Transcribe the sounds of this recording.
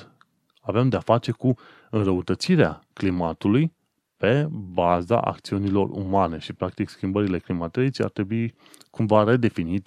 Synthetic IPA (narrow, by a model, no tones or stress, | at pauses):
avemd̪eafat͡ʃe̞ku | ɨnrəut̪ət̪siɾeaklimat̪uluj | pe̞baza̰ʔa̰k̚t̪siunilo̞̰rṵmane̞ʃipɾak̚t̪ikskʲimbəɾile̞klimat̪eit͡ʃa̰rt̪ɾe̞bui | kuɱvaɾe̞d̪e̞finit̪